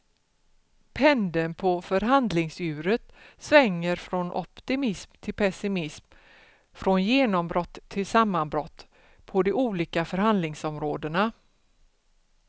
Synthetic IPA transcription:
pʰɛnd̪ənpʰɔfœɾɦand̪lɪŋsʉ̟ːɾət̪svɛŋːəɾfɾɔnʔɔ̰pt̪ɪmɪsmt̪ʰɪlpʰɛsɪmɪsm | fɾɔnjeːnɔmbɾɔt̪ʰːɪlsamːanbɾɔt̪ː | pʰɔd̪ɛuːliːkafœɾɦand̪lɪŋsɔmɾoːd̪əna

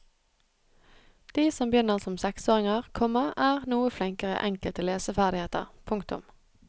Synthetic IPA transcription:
d̪̥iːsɔmbjʏnəʁsɔmsɛksoːʁɪŋəʁkʰɔməʁæːʁnuːəflɪŋkəʁə̰ʔɛŋkəlt̪ʰɪleːsəfæʁd̪ɪheːt̪ə̰ʁpʰʊŋkt̪ʊ̰m

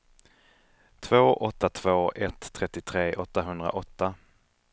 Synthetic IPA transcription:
t̪ʰvoːʔɔt̪ːat̪ʰv̥oːʔɛt̪ʰːɾɛt̪ːɪt̪ʰɾeːʔɔt̪ːaɦɵnd̪ɾa̰ʔɔt̪ːa

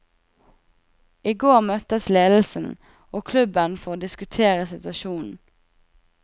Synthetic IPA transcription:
ʔiːɡoːʁmœt̪əsleːd̪l̩sn̩ | oːkʰlʉbənfoːʁd̪ɪskʉt̪ʰeːʁəsɪt̪ʋɑʃuːnn̩

